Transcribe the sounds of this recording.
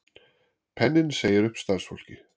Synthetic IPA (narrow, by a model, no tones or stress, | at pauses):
pʰɛnːɪnseːjɪɾʏhpst̪aðsfɔ̰l̥cɪ